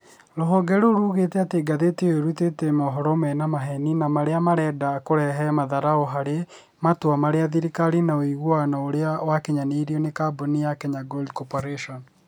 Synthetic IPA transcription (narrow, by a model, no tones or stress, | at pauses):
ɾoɦɔɡɛɾoɾuɣetɛateɡaðeteoɾutetɛmɔɦɔɾɔmɛnamaɦɛninamaɾeamaɾɛdakoɾɛɦɛmaðaɾaoɦaɾe | matwamaɾeaðiɾikaɾinaoiɣwanaoɾeawakeɲaneɾiɔnekabonijakɛɲaɡoldkɔpɔɾeʃɔn